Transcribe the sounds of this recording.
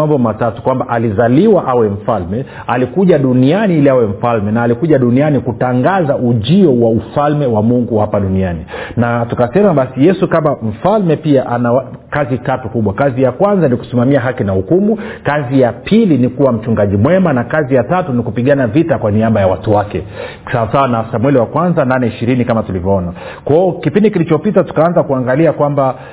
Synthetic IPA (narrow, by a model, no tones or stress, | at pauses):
ambɔmatatu̥kwambaʔalizaliwaʔawɛm̩falmɛ | alikuʄaɗunianiiliawɛm̩falmɛnaːlikuʄaɗunianikutaŋɡazaʔuʄiɔwaufalmɛwamuŋɡuhapaɗunianinatukasɛmaɓasijɛsukamam̩falmɛpiaʔanakazitatukuɓwakazijakwanzaniku̥simamiaɦakinahukumukazijapʰilinikuwam̩t͡ʃuŋɡaʄimwɛmanakazijatatunikupiɠanavitakwaniaɓajawatuwakɛ | saasawanasamwɛliwakwanzananɛiʃiɾinikamatulivjɔɔna | kɔɔkipindikilit͡ʃɔpitatu̥kaanzakuaŋɡaliakwamba